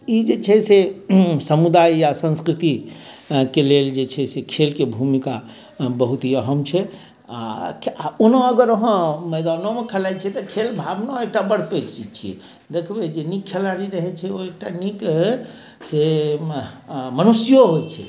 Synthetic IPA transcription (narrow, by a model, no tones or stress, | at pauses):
id͡ʒet͡ʃʰɛsesəmud̪ajjasə̃nskɾit̪i | keleld͡ʒet͡ʃʰɛsekʰelkebʱumika | bəɦut̪iəɦəmt͡ʃʰɛ | a̰aonə̃əɡəɾəɦə̃mɛjd̪anomekʰəlajt͡ʃʰɛt̪ɔkʰelbʱabnaek̚ʈabəɽped͡ʒt͡ʃid͡ʒt͡ʃʰiɛ̰ | d̪ekʰbed͡ʒenikʰːelaɾiɾəɦɛt͡ʃʰɛoek̚ʈanik | se | mənusijoɦojt͡ʃʰɛ̰